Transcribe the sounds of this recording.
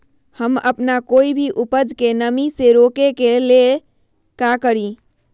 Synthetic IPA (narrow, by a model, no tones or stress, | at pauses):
həmə̰pnakoibʱiʔupəd͡ʒkenəmiseɾokekele | kakəɾi